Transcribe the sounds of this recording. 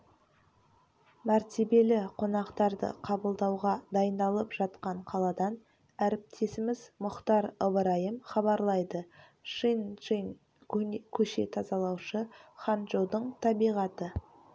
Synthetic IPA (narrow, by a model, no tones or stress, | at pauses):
mæɾt̪e̞be̞lɪqʰo̞nɑqt̪ɑɾd̪ə̰qʰɑbəlˠd̪ɑwʁɑd̪ɑjənd̪ɑlˠəpʒ̥ɑt̪̚qɑɴqʰɑlˠɑd̪ɑn | æɾɪp̚t̪ʰe̞sɪmɪzmʊqt̪ɑɾəbəɾɑjəmχɑbɑɾlˠɑjd̪ə | ʃinʒin | kʲʰɵʃe̞̰t̪ʰɑzɑlˠɑwʃəχɑnʒod̪əɴt̪ʰɑbijʁɑt̪ə